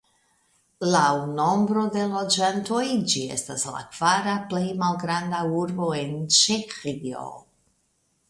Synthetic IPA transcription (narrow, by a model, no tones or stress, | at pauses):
lawno̞mbɾo̞de̞lo̞d͡ʒanto̞jd͡ʒie̞̰stasla̰kv̥aɾaplejmalɡɾandauɾbo̞e̞nt͡ʃeidio̰